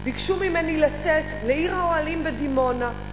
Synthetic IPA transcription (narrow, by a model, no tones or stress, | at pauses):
bikʃumimenilat͡setleiʁaoalimbed̪imo̞na